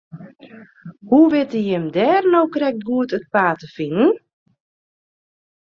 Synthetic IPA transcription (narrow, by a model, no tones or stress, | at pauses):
huʋɪtəjɪmdɛːrnowkrɛk̚tɡuətət̚paːtəfinən